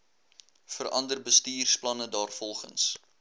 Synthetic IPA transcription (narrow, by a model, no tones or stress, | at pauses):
fərʔɐ̰ndərbəstiːrsplɐnədɑːrfɔlˠχə̰ns